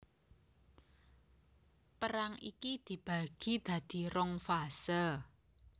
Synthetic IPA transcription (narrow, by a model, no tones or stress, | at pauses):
pəɾaŋḭkid̪̥i̤b̥a̤ɡ̥i̤d̪̥ä̤d̪̥i̤ɾɔŋfasə